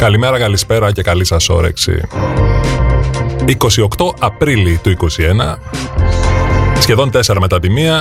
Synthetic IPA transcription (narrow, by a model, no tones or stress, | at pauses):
kɐlime̞ɾɐkɐlispe̞ɾɐce̞kɐlisɐso̞̰ɾe̞̰ksḭ | iko̞sio̞kt̪o̞ɐpɾilit̪uiko̞sie̞nɐ | sçe̞ðo̞nt̪e̞se̞ɾɐme̞t̪ɐp̪imiɐ